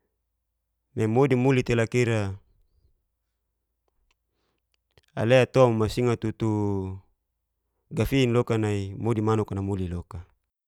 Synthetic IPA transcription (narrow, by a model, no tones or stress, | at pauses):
memodimulit̪elakiɾa | a̰leat̪oammasiŋat̪ut̪u | ɡafiːnlokanaimodimanukanamuliloka